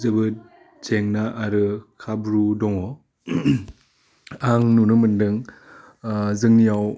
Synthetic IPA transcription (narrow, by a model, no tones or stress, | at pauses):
zɯbɯt̚ | t͡ʃeŋnaʔaɾɯkʰabɾudɔŋɔ | aŋnunɯmɯndɯŋ | zɯŋnijaw